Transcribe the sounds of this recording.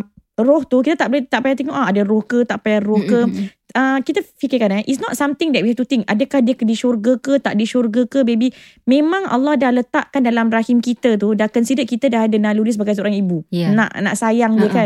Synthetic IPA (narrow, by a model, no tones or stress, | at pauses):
rɔht̪ukit̪ət̪aʔbolɛt̪aʔpajat̪eŋɔʔaadəɾɔhkət̪aʔpajarɔhkə | əkit̪əfikikanaʔitsnɔt̚samt̪ɪŋdɛʔ̚wiat̪ut̪ɪŋadəkahdiəkədiʃurɡəkət̪aʔdiʃurɡəkəbebi | mẽmãŋʔa̰lːɔhdahlət̪aʔkandalamrahimkit̪ət̪̬udakənsidəkit̪ədaɦadənaluɾis̬baɡajs̬əuɾaŋibuna̰ʔna̰ʔsajaŋɡəka